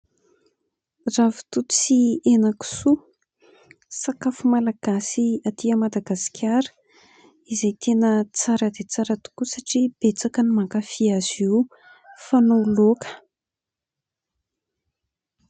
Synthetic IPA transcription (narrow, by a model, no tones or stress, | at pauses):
ravi̥t̪ut͡sienaku̥su | sakafumalaɡ̥asiat̪iəmad̪aɡasi̥kʲʰaɾə̥ | izejt̪ʰenət͡saɾəd̪et͡saɾat̪u̥kusaʈ͡ʂib̥et͡sakənimaŋkafiaz̥iw | fanolokə̥